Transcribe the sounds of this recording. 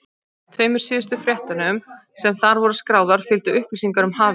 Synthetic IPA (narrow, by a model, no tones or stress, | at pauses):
t̪ʰveːjmʏɾ̥siːðʏst̪ʏfɾjɛht̪anɪʏm | sɛmθaɾvɔɾʏskɾaːwðaɾ̥fɪlt̪ʏʏhpvisiŋkaɾʏmɦaːvɪ